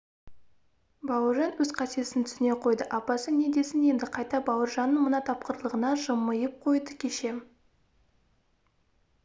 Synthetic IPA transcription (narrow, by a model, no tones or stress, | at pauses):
bɑwəɾʒɑnwɵzqʰɑsie̞sɪnt̪ʰʏ̥sɪne̞qʰo̞jd̪əʔɑpɑsəne̞d̪e̞sɪne̞nd̪ɪqʰɑjt̪ɑbɑwəɾʒɑnːəɴmənɑt̪ʰɑp̚qəɾlˠəʁənɑʒəmːəjəp̚qʰo̞jd̪əkʲʰe̞ʃe̞